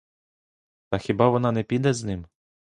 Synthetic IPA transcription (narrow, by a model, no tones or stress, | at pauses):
t̪ɐxʲibɑʋɔnɑnɛpʲid̪ɛznɪm